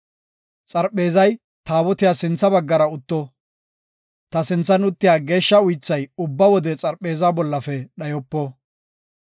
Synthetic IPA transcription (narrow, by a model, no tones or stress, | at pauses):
t͡sʼɐɾpʼːe̞ːzɐj | t̪aːwɔt̪ɪjaːsɪnt͡sːɐbɐɡːɐɾɐʊt̪ːɔ | t̪ɐsɪnt͡sːɐnʊt̪ːɪjaːɡe̞ːʃːɐʊjt͡sːɐjʊbːɐwɔd̪ɛt͡sʼɐɾpʼːe̞ːzaːbɔlːɐfɛɗɐjɔpːɔ